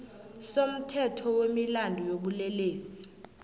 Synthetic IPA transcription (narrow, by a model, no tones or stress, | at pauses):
som̩tʰɛtʰɔwemilandʱɔjoɓulɛleːsi̥